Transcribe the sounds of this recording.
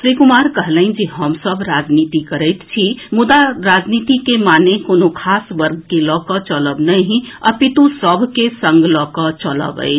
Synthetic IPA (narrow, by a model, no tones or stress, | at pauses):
sɾikumaɾkəɦləɪnd͡ʒeɦəmsəbʱɾad͡ʒnit̪ikəɾəjt̪t͡ʃʰimud̪aɾad͡ʒnit̪ikemanekonokʰasʋəɾɡkelɔkət͡ʃələbnəjɦĩə̰pit̪usəbʱkesə̃ŋɡlɔkət͡ʃələ̰bə̰ɪt͡ʃʰ